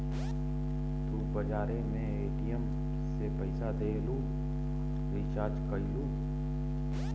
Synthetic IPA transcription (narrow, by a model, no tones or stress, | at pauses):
t̪ubəd͡ʒaːɾemẽeːʈijəm | sepəɪsad̪eːluː | ʋit͡ʃaːd͡ʒkəluː